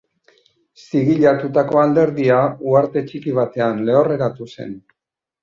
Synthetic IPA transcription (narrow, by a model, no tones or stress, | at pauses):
siɣiʎat̪ut̪ako̞ald̪e̞ɾðiauaɾt̪e̞t͡ʃikiβ̞at̪e̞anle̞ore̞ɾat̪use̞̰n